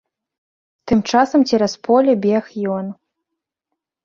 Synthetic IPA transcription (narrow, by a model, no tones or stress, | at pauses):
t̪ɨmt͡ʂasɐmt͡sʲɛɾaspɔlʲɛbʲɛxjɔn